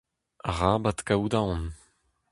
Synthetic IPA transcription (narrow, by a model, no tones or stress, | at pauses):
aʁaːbat̪kawd̪aɔ̃n